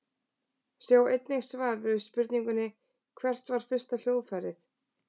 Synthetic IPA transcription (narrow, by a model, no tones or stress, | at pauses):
sjawejt̪nɪɣsvaːɾvʏɾʏspʏɾt̪niŋkʏnːɪ | kʰvɛr̥t̪vaɾ̥fɪr̥st̪al̥jowðfaɾɪθ